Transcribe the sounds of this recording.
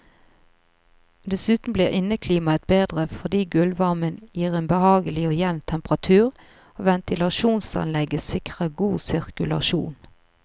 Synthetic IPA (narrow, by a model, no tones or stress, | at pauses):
d̪ɛsʉːt̪n̩bliːʁɪnəkʰliːmɑət̪̚beːd̪ʁəfɔd̪iːɡʉlʋɑʁmənjiːʁeːnbəhɑːɡəlɪoːjɛʋnt̪ʰɛmpʁɑt̪ʰʉːʁ | oːʋɛnt̪ɪlɑʃuːnsɑ̰nlɛɡəsɪkʁəɡuːsɪʁkʉlɑ̰ʃṵːn